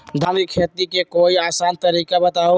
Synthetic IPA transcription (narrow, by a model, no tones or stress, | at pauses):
d̪ʱamikʰet̪ikekoiaːsant̪əɾiːkabət̪ao